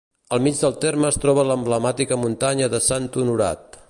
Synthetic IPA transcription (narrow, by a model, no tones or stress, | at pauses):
əlˠmid͡ʒðəlˠt̪eɾməːst̪ɾɔβələmbləmat̪ikəmunt̪aɲəðəsant̪unuɾa̰t̪